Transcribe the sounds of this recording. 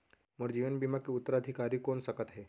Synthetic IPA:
məɽd͡ʑiʋənbimakiːut̪ːəɾad̪ʱikaɾiːkonsəkət̪ɦe

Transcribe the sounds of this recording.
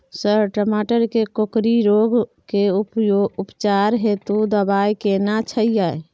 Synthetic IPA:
səɾʈəmaʈəɾkekokɾiɾoɡ | keupjoupt͡ʃaɾɦet̪ud̪əbajkenat͡ʃʰəija

